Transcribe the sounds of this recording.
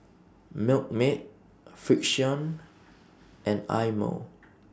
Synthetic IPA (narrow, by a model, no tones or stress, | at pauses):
mɪlk̚met̚ | fik̚ʃiɔ̃n | ʔɛ̃na̰jmə̰